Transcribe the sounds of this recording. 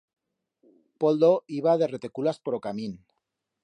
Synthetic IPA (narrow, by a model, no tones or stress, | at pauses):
po̞ld̪oiβað̞ere̞t̪e̞kulaspoɾokamĩn